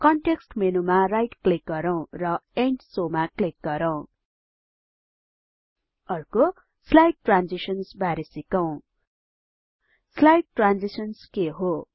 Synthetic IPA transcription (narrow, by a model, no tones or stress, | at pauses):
kʌɳʈeksʈmenumarajʈklik̚ɡʌɾʌw̃rʌeɳʈsomaklik̚ɡʌɾʌw̃ | ʌrko | slajʈːrand͡zisʌnsbʱaɾesikʌw̃ | slajʈːrand͡zisʌnskeɦo